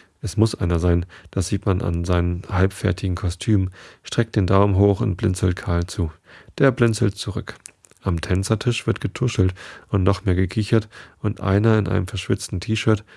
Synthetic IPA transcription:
ʔɛsmʊsʔa̰ɪnɐzaɪnd̥asz̥iːtmanʔa̰nzaɪnənhalpfɛɐtʰɪɡŋ̩kʰɔstʰyːmʃtʁ̥ɛk̚t̚d̥eːndaʊmɦoːxʊnt̚b̥lɪnt͡sl̩t̚kʰaːlt͡suː | d̥eːɐblɪnt͡sl̩tt͡suʁʏk | ʔamtʰɛnt͡sɐtʰɪʃv̥ɪɐtɡ̥ətʰʊʃl̩tʔʊntnɔχmeːɐɡəkʰiçɐtʔʊntʔa̰ɪnɐɪnʔa̰ɪnəmfɛɐʃv̥ɪt͡stn̩tʰiːʃœːɐt

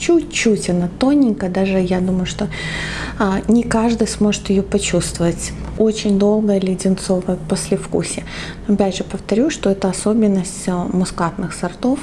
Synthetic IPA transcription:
t͡ɕutʲt͡ɕːutʲɐnat̪o̞nʲːɪnʲkəd̪aʐɨjad̪uməjʊʂt̪o̞ | nʲɪkaʐd̪ɨjsmo̞ʐɨt̪jɪjopɐt͡ɕust̪vəvətʲ | o̞t͡ɕɪnʲd̪o̞lˠɡəjəlʲɪdʲɪnt̪so̞vəjəposʲlʲɪfkṵsʲɪ | ɐpʲæʐɨpəft̪ɐɾʲuʂt̪o̞ɛt̪əɐso̞bʲɪnːəsʲtʲmʊskat̪nɨxsɐrt̪o̞f

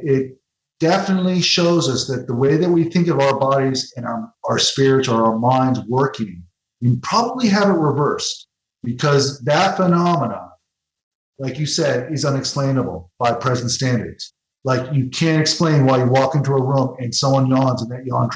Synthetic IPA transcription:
ɪt̚ | d̥ɛfənətˡliʃoʊzʌsðɨt̪̚ðəweɪðɨt̚wiθɪ̃ŋkʌvaʊə˞bɑɾizɨ̃nəaʊə˞spɪɹɨtsə˞ʊə˞mãɪ̃ndzwɜ˞kɪ̃ŋ | wɨ̃pʰɹ̥ɑbəbliɦævə̃nʔ̚ɹɪvɜ˞st̚ | b̥ɨkʰʌzðɨtfənɑmənə̃ | laɪkjɨsɛɾɪzʌ̃nɨksplẽɪ̃nəbl̩ˠb̥aɪpʰɹ̥ɛzn̩tstæ̃ndə̰˞dz̥ | laɪkjɨkʰæ̃ntɨksplẽɪ̃nwaɪjɨwɔkɪ̃ntuəɹũmɨ̃nsʌ̃mwʌ̃njɑ̃nzɨ̃nðɨt͡ʃəə̃nʰ

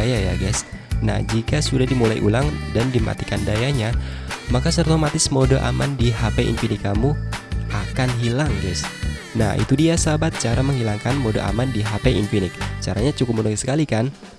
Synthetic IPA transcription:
jaja̰ɡɛs | na̰hd͡ʒikasudahdimulajʔṵlaŋdandima̰t̪ikandajaɲamakasərt̪omat̪ɪsmodoʔa̰mandiɦapeʔḭnfinikamuʔakanɦilaŋɡɛs | na̰hḭt̪udiasabat̪̚t͡ʃaɾaməŋɦilaŋkanmodo̰ʔa̰mandiɦapeʔinfinɪk̚t͡ʃaɾaɲat͡ʃukʊp̚munoisə̥kalikan

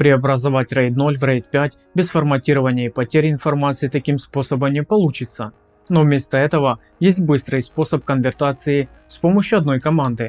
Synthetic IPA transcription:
pɾʲɪɐbɾɐzɐvatʲrɛjt̪no̞lʲvrɛjt̪pʲætʲ | bʲɪsfɐrmɐtʲiɾəvənʲɪjəipɐtʲeɾʲɪnfɐrmat̪sɨjit̪ɐkʲimspo̞səbəmnʲɪpɐlˠut͡ɕɪt̪sə | novmʲe̞st̪əɛt̪əvə | jesʲt̚ʲbɨst̪ɾɨjspo̞səp̚kənvʲɪrt̪at̪sɨɪ | fspo̞məɕːʊɐd̪no̞jkɐmand̪ɨ

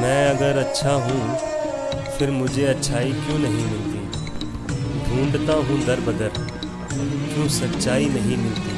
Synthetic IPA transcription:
mɛ̃ːɐɡəɾɐtːʃʰaɦũː | fʰɪɾmʊd͡ʒʱeɐtːʃʰaːikjõːnɐɦĩmɪ̃lt̪ṵ̃ː | d̪ʱũːɳɖt̪ãɦũd̪ɐɾbʱɐd̪əɾ | kjũːsɐtːʃaːinɐɦĩmɪ̃lt̪ĩː

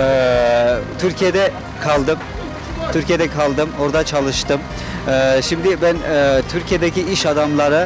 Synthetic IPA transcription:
ɛ | t̪ʰyɾcʰije̞d̪ɛ | kʰalˠd̪ɯm | t̪ʰyɾcʰijed̪ɛkʰalˠd̪ɯmo̞ɾd̪at͡ʃʰalˠɯʃt̪ɯm | ɛʃimd̪ɪbænɛt̪ʰyɾcʰijed̪eciiʃad̪amlˠaɾɯ

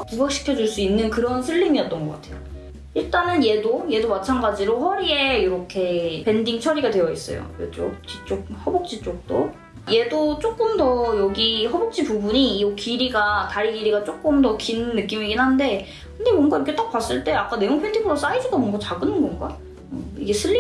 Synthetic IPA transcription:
pubak̚ɕ͈ʰi̥kʰjʌd͡ʑuɭs͈uinːɯnkɯɾʌnsʰɯɭːimiʌt͈ʌnɡʌk͈atʰe̞jo | iɭt͈anɯnje̞doje̞domat͡ɕʰanɡad͡ʑiɾoɸʌɾie̞iɾʌkʰe̞pe̞ndiŋt͡ɕʰʌɾiɡadwe̞jʌis͈ʌ̰jo̰ot͡ɕ͈o̰kit͡ɕ͈ok̚hʌbok̚t͡ɕ͈it͡ɕ͈ok̚t͈o | je̞dot͡ɕ͈ok͈ɯmdʌjʌɡihʌbok̚t͡ɕ͈ipubuɲiokiɾiɡataɾiɡiɾiɡat͡ɕ͈ok͈ɯmdʌkinnːɯk͈imiɡinɦande̞ | kʰɯndemwʌnɡaiɾʌkʰe̞t͈ak̚pas͈ɯɭt͈e̞ak͈ane̞joŋpʰendiŋɯɾos͈aid͡ʑiɡamʌŋɡat͡ɕaɡɯnɯnɡʌnɡa | ɯiɡe̞sʰɯɭːi

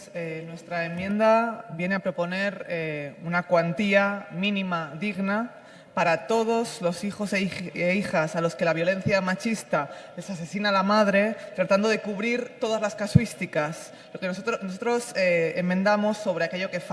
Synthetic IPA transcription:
enwe̞st̪ɾae̞mjẽ̞nd̪aβje̞ne̞apɾo̞po̞ne̞ɾeunakwant̪iamĩnĩmaðiɣna | paɾat̪o̞ð̞o̞zlo̞sixo̞seeixasalo̞ske̞laβ̞jo̞lẽ̞n̟θjamat͡ʃist̪ale̞sase̞sinaːlamað̞ɾe̞t̪ɾat̪and̪o̞ð̞e̞kuβɾiɾt̪o̞ð̞azlaskaswist̪ikas | lokesot̪ɾonos̬ot̪ɾo̞seemːẽnd̪amo̞sːo̞β̞ɾe̞ake̞ʎo̞ke̞f

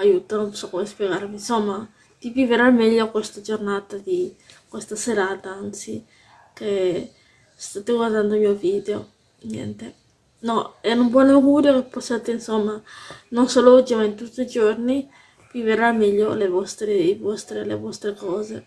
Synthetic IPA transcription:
ajut̪aosɔkːomespjeɡaɾvinsomːa | t̪iviveɾamɛʎːokwest̪ad͡ʒornat̪ad̪ikwest̪aseɾaːt̪aant̪si | ke | st̪at̪eɡward̪and̪omiovid̪eo | ɲɛ̰nt̪e | nɔɛnumbwɔneɡuɾjokepːosjat̪ensomːanonsolod͡ʒimaint̪ut̪ːid͡ʒorni | v̥iveɾalmɛʎːolevɔst̪ɾeivɔst̪ɾelḛvɔst̪ɾekɔːze

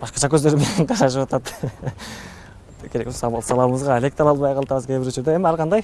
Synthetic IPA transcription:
b̥ɑsqɑʃɑkʲʰɵzd̪e̞ɾɪmeneɴqʰɑɾɑʃəwot̪ɑt̪ | kʲʰe̞ɾeksɑbɑlˠsɑlˠɑbəməzʁɑælek̚t̪ʰɑlˠɑlˠbɑjqʰɑlˠt̪ɑβəzkʲʰebɪɾwɵt͡ʃuɾd̪eemɪælˠqʰɑnd̪ɑj

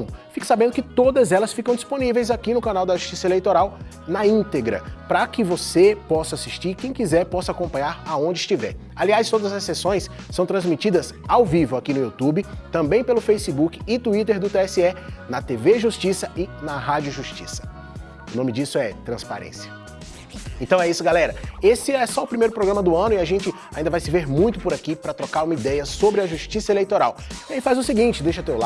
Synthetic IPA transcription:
fikɪ̥sabẽnd̪ʊkɪt̪od̪ɐzɛlɐsfikɐ̃w̃d͡ʒisponivejzakinʊkɐ̃nawd̪ɐʒuʃt͡ʃisɐelejt̪oɾaw | nɐĩnt̪eɡɾɐ̰pɾɐkɪvosepɔsɐasiʃt͡ʃiɾkẽj̃kizɛɾpɔsɐakõmpɐ̃ɲaɾaõnd͡ʒɪist͡ʃivɛɾ | aliajst̪od̪ɐzɐsːesõj̃s | sɐ̃w̃t̪ɾɐ̃zmit͡ʃid̪ɐs | awvivʊakinʊut̪ubɪt̪ɐ̃mbẽj̃pelʊfejsibukɪɪt̪uit̪eɾd̪ʊt̪eɛsiɛnɐt̪eveʒust͡ʃisɐɪnɐɦad͡ʒjʊʒuʃt͡ʃḭsɐ̥ | ʊnõmɪd͡ʒisʊɛt̪ɾɐ̃spa̰ɾḛ̃siɐ | ẽt̪ɐ̃w̃ɛisʊɡalɛɾɐesɪɛsɔʊpɾimejɾʊpɾoɡɾɐ̃mɐd̪ʊɐ̃nʊiaʒẽnt͡ʃɪ | aĩd̪ɐvajsɪveɾmũj̃t̪ʊpʊɾakipɾɐt̪ɾokaɾũmɐid̪ɛjɐsobɾɪɐʒuʃt͡ʃisɐelejt̪oɾawiaifazʊsɪɡĩnt͡ʃɪd̪ejʃɐʊt̪ewla

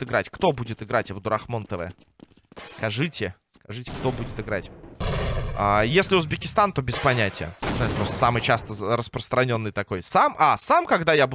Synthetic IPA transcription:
t̪ɨɡɾatʲkt̪o̞budʲɪt̪ɨɡɾatʲvd̪ʊɾɐxmo̞nt̪əvə̰ə | skɐʐɨtʲɪskɐʐɨtʲɪkt̪o̞budʲɪt̪ɨɡɾatʲ | ajesʲlʲɪʊzbʲɪkʲɪst̪ant̪o̞bʲɪspɐnʲætʲɪjə̰napɾo̞st̪ə̥samɨjt͡ɕast̪əɾəspɾəst̪ɾɐnʲo̞nːɨjt̪ɐko̞jsamʔasamkɐɡd̪ajabu

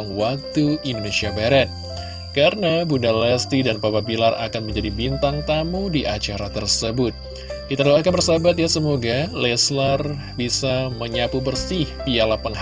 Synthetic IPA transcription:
ŋwak̚t̪uindonesiabaɾɛt̪̚ | kaɾənabunalɛst̪idanpababilara̰kanməɲd͡ʒadibint̪aŋt̪amudiʔat͡ʃaɾat̪ərsəbʊt̪̚ | it̪aɾaak̬anbərsabat̪̬̚jasəmoɡalɛslar | bisaməɲapubərsɪhpialapanh

